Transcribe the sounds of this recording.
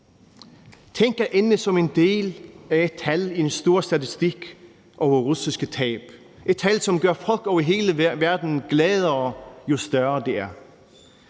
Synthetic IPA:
t͡sʰeŋ̰ɡ̥æʔenəsɒ̽me̝nd̥e̝̰ːlæed̥̚t͡sʰælid̥ensd̥o̝ːɐ̰sd̥æt͡sʰisd̥iɡ̥ | ʔɒʊɐʁusisɡ̥ət͡sʰɛ̰ːb̥ | e̝d̥̚t͡sʰælsɒ̽mɡ̥ɶɐfɒ̽l̰ɡ̥ɒʊɐɦe̝ːləʋæɐd̥n̩ɡ̥lɛːðˠɐɒjo̝sd̥ɶɐd̥e̝æɐ

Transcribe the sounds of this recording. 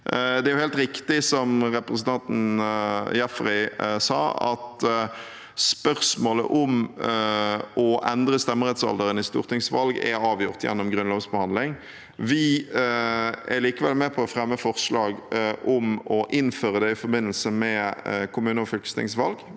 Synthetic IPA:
d̪ɛæɾjʊhɛːlt̪ɾɪkt̪ɪsɔmʁɛpɾəsən̩t̪ʰɑnt̪n̩ | jɛfʁæsɑ̰ːɑ̰t̪ | spœʁsmoːlə̰ʔɔm | ɔʔɛnd̪ɾəst̪ɛmːəɾɛt̪sɑ̰ld̪əɾənɪst̪ṵːʁt̪ʰɪŋsʋɑlɡɛ̰ɾɑːʋjʊʁt̪jɛ̰nːɔmɡɾʉnloːʋsbəhɑnd̪lɪŋ | ʋɪ | æɾliːkəʋɛ̰lmɛpʰɔːfɾɛmːəfɔʁʂlɑːɡɔmɔʔɪnːføːʁəd̪ɛɪfɔɾbɪnːəlsəmɛkʰʊmʉːnəɔfʏlkə̥st̪ɪ̰ŋsʋɑlɡ

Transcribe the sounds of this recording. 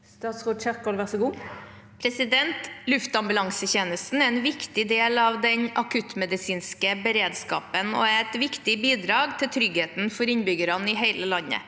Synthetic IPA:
st̪ɑːt̪sɔt͡ʃɛkːɔlʋæʁsɔɡuː | pʰɾɛsɪd̪ɛnt̪lʉft̪ɑmbʉlɑŋsəçeːnəst̪n̩æɾɛnʋɪkt̪ɪd̪eːlɑʋd̪ɛɲɑkʰʉt̪mɛd̪ɪsiːnskəbəɾeːd̪skɑ̰ːpənɔ̰æɛt̪ʋɪkt̪ɪbiːd̪ɾɑːɡt̪ʰɪlt̪ʰɾʏɡheːt̪n̩fɔɾɪnbʏɡəɾɑnɪɦæɪləlɑnːə̰

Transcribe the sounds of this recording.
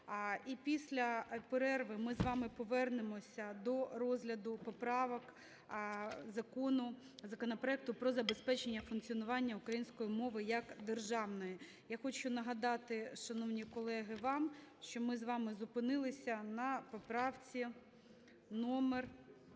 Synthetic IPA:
ipʲisʲlʲɐpeɾɛrʋɪmɪzʋɑmɪpɔʋɛrnemɔsʲɐd̪ɔrɔzʲɦlʲɐd̪ʊpɔpɾɑʋɔk | zɐkɔnʊ | zɐkɔnɔpɾɔɛk̚t̪ʊpɾɔzɐbespɛt͡ʃenʲːɐfʊnkt͡sʲiɔnʊʋɑnʲːɐʊkɾɐjinʲsʲkɔjimɔʋɪjɐkd̪erʒɑwnɔji | jaxɔt͡ʃʊnɐɦɐd̪ɑt̪ɪʃɐnɔwnʲikɔlˠɛɦɪʋɑmʃt͡ʃɔmɪzʋɑmɪzʊpɪnɪlˠɪsʲɐnɐpɔpɾɑwt͡sʲi | nɔmer

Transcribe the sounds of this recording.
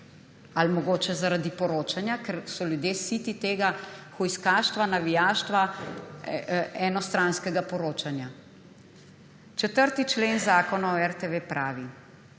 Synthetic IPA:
almɔɡoːt͡ʃɛzaɾad̪ipɔɾoːt͡ʃanjakɛɾsɔljud̪jeːsiːt̪it̪eːɡaxɔjskaːʃt̪ʋanaʋijaːʃt̪ʋa | ɛnɔst̪ɾãnskɛɡapɔɾoːt͡ʃanja | t͡ʃɛt̪əɾt̪it͡ʃleːnzaːkɔnaɔɛɾt̪eʋepɾaːʋi

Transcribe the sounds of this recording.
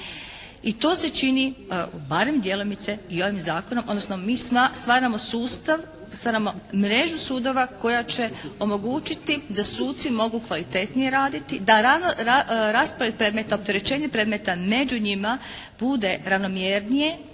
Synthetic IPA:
it̪o̞ːse̞t͡ʃinibaɾe̞md̪jelonit̪se̞io̞ʋimzaːko̞nomʔod̪nosnomiːst̪ʋaːɾamo̞suːst̪aʋ | st̪ʋaːɾamo̞mɾe̞ʒusuːd̪o̞ʋako̞jat͡ɕe̞o̞mo̞ɡuːt͡ʃit̪id̪asuːt̪t̪simo̞ɡukʋalit̪e̞t̪nije̞ɾaːd̪it̪id̪aɾa | ɾaːspɾojed̪̚pɾeːd̪me̞t̪aop̚t̪eɾe̞t͡ɕe̞ːɲepɾed̪me̞t̪ame̞d͡ʑuɲimab̥ud̪e̞ɾaʋno̞mjeːɾnije̞

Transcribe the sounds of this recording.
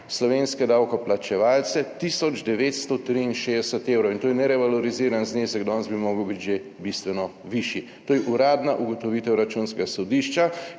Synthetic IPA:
slɔʋeːnskɛd̪aːwkɔplat͡ʃɛʋaːlt̪sɛt̪isɔd͡ʒd̪ɛʋeːt̪st̪ɔt̪ɾiinʃeːd̪ɛsɛt̪eːwɾɔwint̪oːjɛnɛɾɛʋalɔɾiziɾanznesɛɡd̪ɔnzbimoːɡəwbit̪ʒe | bist̪ʋɛnɔ | ʋiʃjit̪ojɛʔuɾaːd̪naʔuɡɔt̪ɔʋiːt̪ɛwɾat͡ʃunskɛɡasɔd̪iʃt͡ʃa

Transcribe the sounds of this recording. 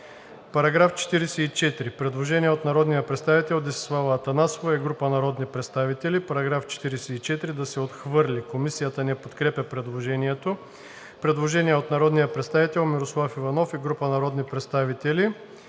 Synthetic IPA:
pɐɾɐɡɾaft͡ʃɛ̥t̪iɾɛsɛit͡ʃɛt̪ɾipɾɛd̪lˠoʒɛniɛot̪nɐɾɔd̪nijəpɾɛt̪st̪avit̪ɛlˠd̪ɛsɛ̥slˠavɐːt̪ɐnasovɐɛɡɾupənɐɾɔd̪nipɾɛt̪st̪avit̪ɛlipɐɾɐɡɾaft͡ʃɛ̥t̪iɾɛsɛit͡ʃɛt̪ɾid̪ɐsɛot̪xvɤɾlʲikomisijət̪ənɛpot̪kɾɛpʲɐpɾɛd̪lˠoʒɛniɛt̪o | pɾɛd̪lˠoʒɛniɛot̪nɐɾɔd̪nijəpɾɛt̪st̪avit̪ɛlˠmiɾoslˠafivɐnɔfiɡɾupənɐɾɔd̪nipɾɛt̪st̪avit̪ɛli

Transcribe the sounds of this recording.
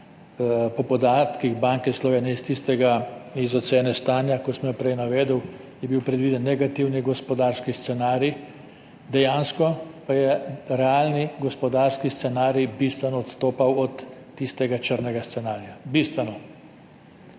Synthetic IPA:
pɔpɔd̪aːt̪kiɣbaŋkɛslɔʋeːnjɛist̪ist̪ɛɡaizɔt̪seːnɛst̪aːnjakɔsmjɔpɾɛjnaʋeːd̪əw | jɛbiwpɾɛd̪ʋiːd̪ɛnːɛɡat̪iwniɡɔspɔd̪aːɾskixst̪sɛnaːɾji | d̪ɛjaːnskɔpajɛɾɛaːlniɡɔspɔd̪aːɾskist̪sɛnaːɾjibist̪ʋɛnɔːt̪st̪oːpawɔt̪ː | ist̪ɛɡat͡ʃəɾnɛɡast̪sɛnaːɾjabist̪ʋɛnɔ

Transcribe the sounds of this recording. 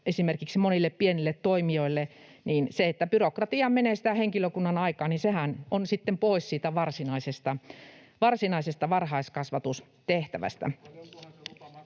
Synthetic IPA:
esimerkiksimonilːeppienilːet̪t̪oimioilːe | niːnseet̪ːæpyrokrɑt̪iɑmmeneːsi̥t̪æheŋkiløkunːɑnɑikɑːninsehænonsit̪ːempoˑissiːt̪æʋɑrsinɑisest̪ɑ | ʋɑrsinɑisest̪ɑʋɑrhɑiskɑsʋɑt̪us | t̪eht̪æʋæ̰st̪æ̰

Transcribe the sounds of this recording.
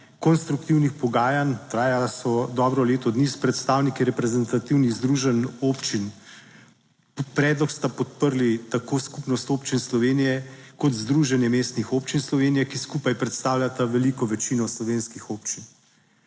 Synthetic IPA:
kɔnst̪ɾukt̪iwnixpɔɡaːjant̪ɾaːjasɔd̪ɔːbɾɔleːt̪ɔd̪nispɾɛt̪st̪awnikiɾɛpɾɛzɛnt̪at̪iwniɣzd̪ɾuʒɛnoːpt͡ʃin | ppɾɛːd̪lɔkst̪apɔt̪̚pəɾlit̪akoːskupnɔst̪oːpt͡ʃinslɔʋeːnijɛkɔt̪zd̪ɾuʒɛnjɛmeːst̪nixopt͡ʃinslɔʋeːnijɛkiskupajpɾɛt̪st̪aːwlʲat̪aʋɛlikɔʋɛt͡ʃinɔslɔʋeːnskixopt͡ʃin

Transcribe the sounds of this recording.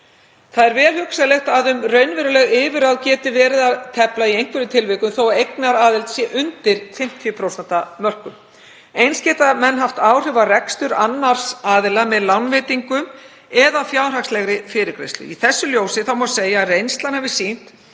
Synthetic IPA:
θaðɛɾvɛːlhʏksalɛxt̪aðʏmrœɥnvɛːɾʏlɛɣɪːvɪɾawðcɛːt̪ɪvɛːɾɪðaðt̪ʰɛplaiejŋ̥kvɪɾʏt̪ʰɪlvɪkʏmθowaejknaɾaːðɪlt̪sjɛʔʏnt̪ɪɾ̥fɪm̥t̪ʰjʏpʰɾowsɛnt̪amœr̥kʏm | ejnscɛːt̪amɛnːɦaft̪aːwr̥ɪvarɛkst̪ʏɾanːaɾ̥saːðɪlamɛðlawnvɪːt̪iŋkʏm | ɛðafjaːwr̥akslɛɣɾɪfɪːɾɪɾkɾḛjst̪lʏ̰iθɛsːʏljoːwsɪθawmɔseːjarejnst̪lanhɛvɪ̥sin̥t̪

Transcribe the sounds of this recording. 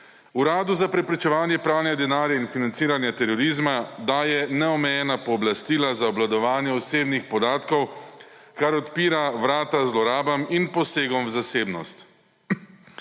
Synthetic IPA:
uɾaːd̪uzapɾɛpɾɛt͡ʃɛʋaːnjɛpɾaːwnɛd̪ɛnaːɾjainfinant̪siːɾanjat̪ɛɾɔɾiːzmad̪ajɛnɛɔmɛjɛːnapɔːblast̪iːlazaɔblad̪ɔʋaːnjɛɔseːbnixpɔd̪aːt̪kɔw | kaɾɔt̪piːɾaʋɾaːt̪azlɔɾaːbaminpɔseːɡɔmzaseːbnɔ̰st̪

